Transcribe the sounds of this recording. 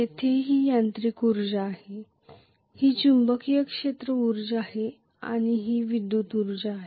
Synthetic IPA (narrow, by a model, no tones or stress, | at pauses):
jet̪ʰeɦiːjant̪ɾikuɾd͡ʑaːhe | hiːt͡ɕumbəkijəkʂet̪ɾəuɾd͡ʑahe | a̰ɽ̃iɦiːʋid̪ːuːt̪uɾd͡ʑaaɦe